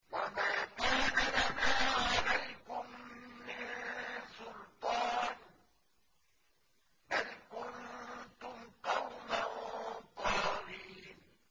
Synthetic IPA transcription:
wamaːkaːnaʔanaːʕalajkʊmːɪnnsʊlt̪ˤɑːn | balkʊnt̪ʊmqɑwmant̪ɑːɾiːn

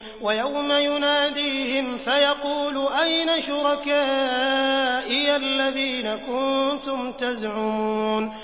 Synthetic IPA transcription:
wajawmajʊnaːd̪iːhɪmfajɑquːlʊʔajnaʃʊɾˤɑkaː | ʔɪjalːaðiːnakʊnt̪ʊmt̪azʕʊmuːuːn

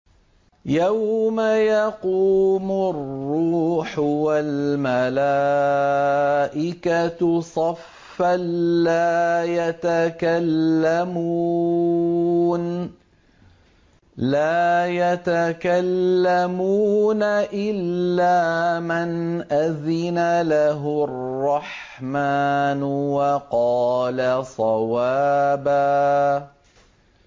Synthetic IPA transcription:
jawmajɑquːmʊrːuːħwalmala | ʔɪkatsˤɑfː | alːaːjat̪akalːamu | n | laːjat̪akalːamuːnaʔɪlːaːmanʔazɪnalaɦʊrrrːɑħmaːnwɑqɑːlasˤɑwaːbaː

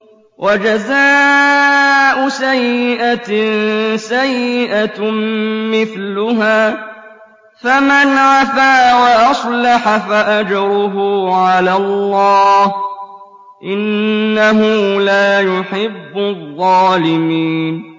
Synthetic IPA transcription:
wʔad͡ʒazaː | ʔʊsajːɪʔa | sajːɪʔa | mɪθlʊɦaː | famanʕafaːwaʔɑsˤlɑħafaʔad͡ʒɑɾʊɦʊːʕalalːɑːh | ʔɪnːaɦʊːlaːjʊħɪbːʊðˤːɑːlɪmiːn

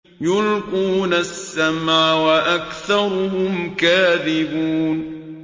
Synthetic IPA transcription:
jʊlquːnasːamaːwaʔakθɑɾˤʊhʊmkaːðɪbuːn

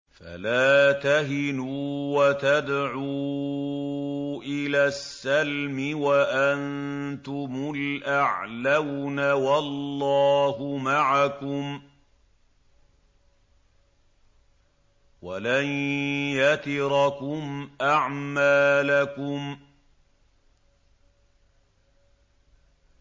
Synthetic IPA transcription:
fa̰laːt̪aɦɪnuːwat̪ad̪ʕuː | ʔɪlaːsːalmɪwaʔant̪ʊmʊlʔaʕlawnawalːɑːhʊmaʕakʊm | walanjat̪ɪɾɑkʊmʔaʕmaːlakʊm

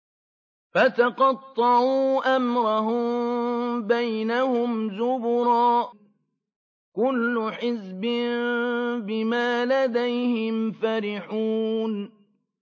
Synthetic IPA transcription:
fat̪aqɑt̪ˤːɑʕuːʔamɾˤɑɦʊm | bajnahʊmzʊbʊɾˤɑː | kʊlːʊħɪzbɪnbɪmaːlad̪ajhɪmfaɾɪħuːn

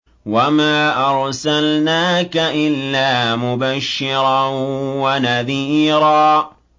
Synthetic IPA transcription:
wamaːʔɑɾˤsalnaːkaʔɪlːaːmʊbaʃːɪɾɑnwanaðiːɾaː

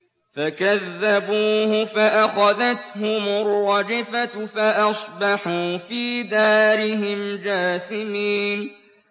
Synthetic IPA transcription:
fakaðːabuːhʊfaʔaxaðat̪hʊmʊɾːɑd͡ʒɪfafaʔɑsˤbɑħuːfiːd̪aːɾɪɦɪmd͡ʒaːsɪmiːn

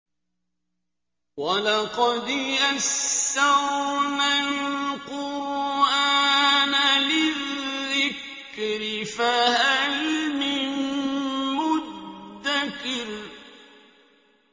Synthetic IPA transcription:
walɑqɑd̪ʔasːaɾnalqʊɾʔaːnalɪðːɪk | ɾɪfahalmɪn | mʊdd̪ːakɪl

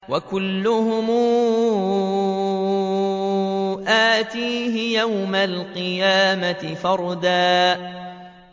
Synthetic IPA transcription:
wakʊlːʊhʊmuː | ʔaːt̪iːɦɪjawmalqɨjaːmat̪ɪfɑɾˤd̪aː

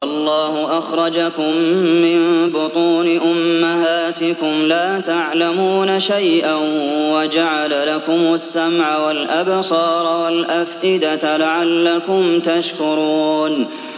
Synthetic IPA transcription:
ʔɑlˤːɑːhʊʔaxɾˤɑd͡ʒakʊmːɪnbʊt̪ˤuːnɪʔʊmːaɦaːt̪ɪkʊmlaːt̪aʕlamuːnaʃajʔanwad͡ʒaʕalalakʊmʊsːamʕawalʔabsˤɑːɾˤɑwalʔafʔɪd̪alaʕalːakʊmt̪aʃkʊɾuːn

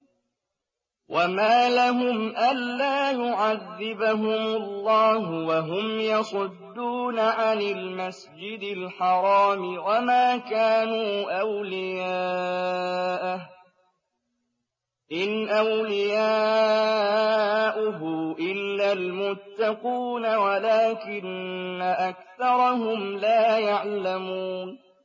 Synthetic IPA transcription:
wʔamaːlaɦʊmʔanːaːjʊʕaðːɪbaɦʊmʊlˤːɑːɦʊwaɦʊmjɑsˤʊd̪ːuːnaʕanɪlmas | d͡ʒɪd̪ɪlħɑɾˤɑːmɪwamaːkaːnuːʔawlɪjaː | ʔ | ʔɪnʔawlɪjaː | ʔʊɦʊʔɪlːalmʊt̪ːɑquːnawalaːkɪnːaʔakθɑɾˤɑɦʊmlaːjaʕlamuːn

